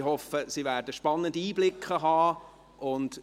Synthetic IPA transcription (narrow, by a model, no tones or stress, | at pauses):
hɔfəsivæːɾdəʃpɑnːəndiːblɪkʰχəɦɑː | ʔʊnd